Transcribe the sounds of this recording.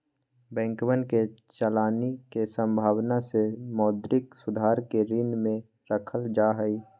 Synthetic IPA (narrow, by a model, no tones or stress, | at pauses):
bɛ̃ːŋkʋənket͡ʃəlaːnikesə̃mbʱaːwnasemɔːd̪ɾɪksʊd̪ʱaːɾkeɾɪnmẽ | ɾəkʰəld͡ʒaːɦəi